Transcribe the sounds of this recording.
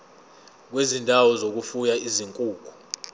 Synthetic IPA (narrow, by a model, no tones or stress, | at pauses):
k̬wezindʱawɔzok̬ufujaiziŋkʼuːkʰu̥